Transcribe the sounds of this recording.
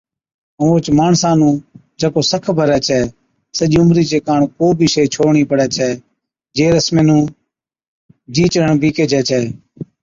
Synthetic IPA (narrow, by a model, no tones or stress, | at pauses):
əʋõːt͡ʃmaːɳsaːnũːd͡ʒəkoːsəkʰbʱəɾɛːt͡ʃʰɛː | səʄiːʊmɾiːt͡ʃeːkaːɳkoːbʱiːʃəiːt͡ʃʰoːɳiːpəɽɛːt͡ʃʰɛː | d͡ʒeːɾəsmẽːnũː | d͡ʒiːt͡ʃəəɳbiːkeːd͡ʒɛːt͡ʃʰɛː